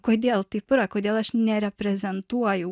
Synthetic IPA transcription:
kojd̪jelˠt̪ipɨɾakojd̪jelˠueʃneɾepɾezent̪uaju

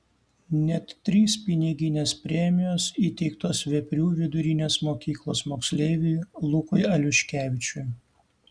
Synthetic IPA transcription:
nʲɛt̪ʲːɾʲiːspʲɪnʲɪɡʲɪnʲeːspʲɾʲɛmʲɪjoːsiːt̪ʲɛɪkt̪oːsʋʲɛpʲɾʲuːʋʲɪd̪ʊɾʲɪnʲeːsmoːkʲiːklˠoːsmoːksʲlʲeːʋʲʊlˠʊkʊɪɐlʲʊʃʲkʲæːʋʲɪt͡ʃʲʊj

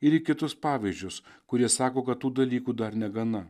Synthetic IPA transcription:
ɪɾɪkʲɪt̪ʊspɑːʋʲɪzʲd͡ʒʲʊskʊɾʲiɛsɑːkoːkɐt̪t̪ːuːd̪ɐlʲiːkuːd̪ɐɾnʲɛɡɐnɐ

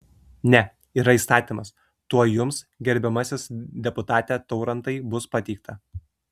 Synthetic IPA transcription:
nʲɛ | iːɾɐiːst̪ɑːt̪ʲimɐs | t̪uɔjʊms | ɡʲɛɾʲbʲɛmɐsʲɪsd̪ʲɛpʊt̪ɑːt̪ʲɛːt̪ɒʊɾɐnt̪ɐɪbʊspɐt̪ʲɛɪk̚t̪ʰɐ

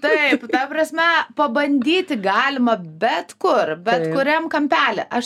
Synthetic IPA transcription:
t̪ɐɪpt̪ɐpɾɐsʲmʲɛpɐbɐnʲd̪ʲiːt̪ʲɪɡɑːlʲɪmɐbʲɛt̪kʊrbʲɛtkʊɾʲɛmkɐmʲpʲæːlʲɛʔɐʃ

